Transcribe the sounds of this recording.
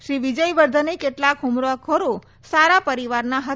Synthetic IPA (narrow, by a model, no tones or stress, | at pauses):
ʃɾiʋid͡ʒəjʋəɾd̪ʱənikeʈlakɦʊmɾakʰoɾo | saɾapəɾiʋaɾnaɦə